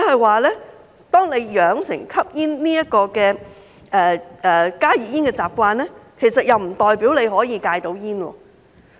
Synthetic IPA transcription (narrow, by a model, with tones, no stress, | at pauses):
hɐ˨jwaː˨lɛː˥ | t̪ɔː˥ŋle˨˧jjœː˨˧˥ŋsɪ̰˨˩ŋkʰɐ˥p̚jiː˥nniː˥jɐ˥t̚kɔː˧kɛː˧ | ʔɛː˨ʔɛː˨˩kaː˥jiː˨jiː˥nkɛː˧t͡saː˨˩p̚kʷaː˧nɛː˥kʰe˨˩jsɐ˨t̚jɐ˨wm̩˨˩t̪ɔː˨jpiː˨˥wle˨˧jhɔː˨˥jiː˧kaː˧jt̪o˨˧˥wjiː˥nwɔ̰ː˧